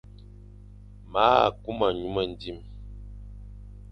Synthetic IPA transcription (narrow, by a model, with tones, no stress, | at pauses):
ma̰˦˨ku˦ma˨ɲu˦mə˦˨n̩˨˦di˦˨m